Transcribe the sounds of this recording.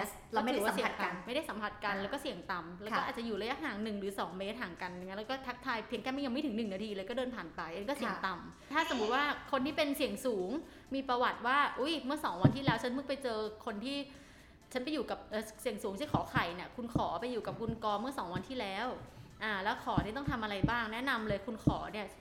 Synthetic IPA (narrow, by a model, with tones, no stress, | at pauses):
la˧˥˧mʰː˥˨˦wa˨˥˨si˨˦˧ŋa˧nma˥˩jda˥˩jsa˩˦mpʰa˨˩t̪̚ka˧nlɛː˧˦˥wkɔː˥˩si˨˩əŋt̪a˨˩mlɛː˦˥kːʔa˨˩t̚t͡ɕa˨˩juː˨˩ɾa˧ja˦˥ʔɦaː˩˦ŋnɯ˨˩ŋɾɯː˩˦sɔː˩˦ŋmeː˦˥t̪̚haː˨˩ŋka˧nja˨ŋː˦˥lːkɔː˥˩t̪ʰa˦˥k̚t̪ʰaː˧jpʰi˧˩əŋk̪ɛː˧˩ma˥˩ja˧ŋm˥˩jt̪ʰɯ˩˦nɯ˨˩ŋnaː˧t̪ʰiː˧lɤː˧jkɔː˥˩dɤː˧npʰaː˨˩npa˧jʔa˧nkɔː˥˩si˨˩˨ə˦ŋt̪a˨˩m | t̪ʰaː˥˩so˨˩˦mu˦˥t̪̚waː˥˩kʰo˧nt̪ʰiː˥˩pe˧nsi˨˩əŋsuː˩˦ŋ | miː˧pɾa˧wa˨˩t̪̚waː˥˩ʔu˦˥jmɯ˥˩ɐsɔː˩˦ŋwa˧nt̪ʰiː˥˩lɛː˦˥wt͡ɕʰa˦˥nmɯ˥˩kpa˧jt͡ɕɤː˧kʰo˧nt̪ʰiː˥˩ | t͡ɕʰa˦˥npa˧juː˨˩ka˨˩p̚ʔɤː˨˩si˨˩əŋsuː˨˩˦ŋt͡ɕʰi˥˩kʰɔː˩˦kʰa˨˩jni˧˩ɐkʰu˧nkʰɔː˩˦pa˧jːuː˨˩ka˨˩p̚kʰu˧nkɔː˧mɯ˥˩ɐsɔː˩˦ŋwa˧nt̪ʰiː˥˩lɛː˦˥wʔaː˨˩lɛː˦˥wkʰɔː˩˦t̪ʰiː˥˩t̪ɔ˥˩t̪ʰa˧mʔa˧ɾa˧jbaː˥˩ŋnɛ˦˥ʔna˧mlɤː˧jkʰu˧nkʰɔː˩˦ni˥˩ɐ